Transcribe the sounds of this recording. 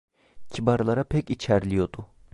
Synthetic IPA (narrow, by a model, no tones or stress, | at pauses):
cʰibaɾlˠaɾapʰɛcit͡ʃʰæɾlʲijo̞d̪u